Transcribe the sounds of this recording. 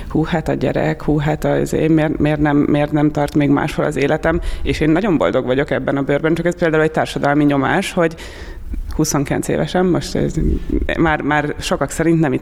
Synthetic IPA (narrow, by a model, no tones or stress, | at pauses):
huːhaːt̪ɒɟɛ̰ɾɛ̰khuːɦaːt̪ɒḭzḛːmeːrmeːrt̪nɛmːeːrt̪nɛmt̪ɒrt̪meːɡma̰ːʃho̞lɒ̰zeːlɛt̪ɛmeːʃeːnːɒɟo̞mbo̞̰ld̪o̞ɡʋɒɟo̞kɛbːɛnɒbøːrbɛnt͡ʃɒkɛspeːld̪aːulɛc̚t̚t̪aːrʃɒd̪ɒlmiɲo̞maːʃho̞ɟ | huso̞ŋkilɛ̰nsḛːvɛʃɛmːo̞ʃt̪ɛ̰z̰maːrmaːrʃo̞kɒksɛɾint̪nɛmi